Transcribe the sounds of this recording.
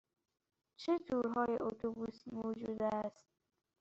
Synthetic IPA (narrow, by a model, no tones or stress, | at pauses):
t͡ʃʰet̪ʰuɾɦɒːjḛʔot̪ʰobusimod͡ʒuːd̪æst̪̚